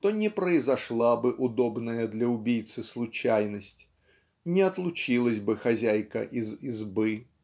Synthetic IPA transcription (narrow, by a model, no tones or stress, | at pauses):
t̪onʲɪpɾəɪzɐʂlˠabɨʔʊd̪obnəjəd̪lʲɐʊbʲijt̪sɨslˠʊt͡ɕæjnəsʲtʲ | nʲɪɐt̪lˠʊt͡ɕilˠəsʲbɨxɐzʲæjkə̰ʔizizbɨ